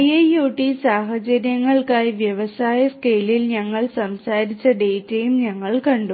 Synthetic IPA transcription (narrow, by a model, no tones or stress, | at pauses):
jejuːʈːisaːɦɐt͡ɕɐɾjɐŋːɐɭkaːjʋjɐʋɐsaːjɐskeːlilɲɐŋːɐɭsɐmsaːɾit͡ɕːɐɖe̞ːtːɐjumɲɐŋːɐɭkɐɳɖu